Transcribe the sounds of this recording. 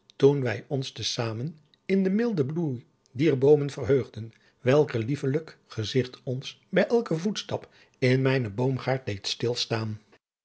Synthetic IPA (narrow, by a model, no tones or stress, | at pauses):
tunʋɛjɔnstəsaːmən | ɪndəmɪlˠdəbluj | diːɹbowmənvərɦøːχdən | ʋɛlˠkəlivələkχəzɪχtɔns | bɛjʔɛlˠkəvutstɑp | ɪnmɛjnəbowmχaːɹt̚dejtstɪlˠstaːn